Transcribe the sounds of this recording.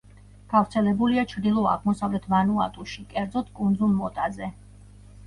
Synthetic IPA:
ɡ̥avɾt̪sʰɛlɛbuliat͡ʃʰɾd̪ilˠɔa̰ʁmɔsavlɛt̪ʰmanua̰t̪ʼuʃikʼɛɾd̪zɔt̪ʰkʼund̪zulˠmɔt̪ʼazɛ

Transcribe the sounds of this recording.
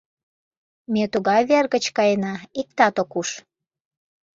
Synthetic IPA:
met̪uɣɑjβerɣət͡ɕkɑjenɑik̚t̪ɑt̪okuʃ

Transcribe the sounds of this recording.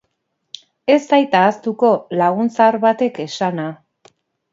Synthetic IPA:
e̞st̪ajt̪aːst̪uko̞laɣunt͡saɾβat̪e̞ke̞sana

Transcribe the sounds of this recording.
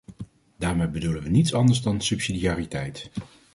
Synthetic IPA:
d̥aːɹmejbədulənʋənitsɑndəɹzdɑnsɵpsidijaːritɛjt

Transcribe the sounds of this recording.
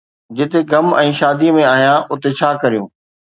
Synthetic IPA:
d͡ʑɪt̪eɡɐmɛ̃ːʃaːd̪imẽaːɦijãʔʊt̪et͡ɕʰaːkɐɾijṵ̃ː

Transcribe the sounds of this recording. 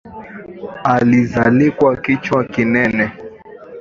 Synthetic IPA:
alizalikwakit͡ʃwakinɛnɛ

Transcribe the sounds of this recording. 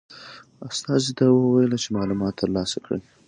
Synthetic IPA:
ast̪ɑzid̪ɑwəwajəlat͡ʃemɑlumɑt̪ːəɾlɑsakɽə̰n

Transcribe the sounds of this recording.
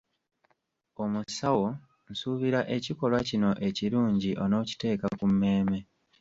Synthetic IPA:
o̞musawo̞ | nsuβiɾaʔe̞ciko̞lwacino̞ʔe̞ciɾuːɲɟiʔo̞no̞ːci̥te̞ːkakumːe̞ːme̞

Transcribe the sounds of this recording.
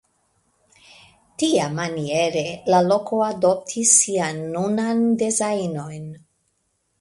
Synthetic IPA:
tiamanie̞ɾe̞lalo̞kʰo̞ado̞p̚tʰisːianːunandezajno̞jn

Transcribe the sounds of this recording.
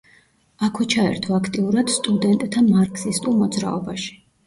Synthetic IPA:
akʰɛt͡ʃʰaɛ̰ɾt̪ʰɔakʰt̪ʼiuɾad̪̥st̪ʼud̪ɛnt̪ʼt̪ʰamaɾkʰʼsist̪ʼulˠmɔd̪zɾa̰ɔbaʃi̥

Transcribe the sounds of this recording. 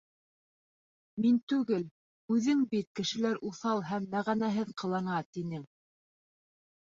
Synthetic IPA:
mint̪ʉɡɘl | ʉðɘŋbit̪̚kɘ̆ʃɘ̆læɾʔuθɑlˠɦæmːæʁænæɦɘðqɤ̆lˠɑɴɑt̪inɘŋ

